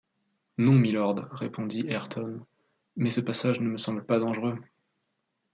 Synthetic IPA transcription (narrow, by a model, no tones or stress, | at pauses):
nɔ̃milɔʁd̪ʁepʰɔ̃d̪iɛʁt̪ʰɔn | mɛsəpasaʒnəməsɑ̃bləpad̪ɑ̃ʒʁø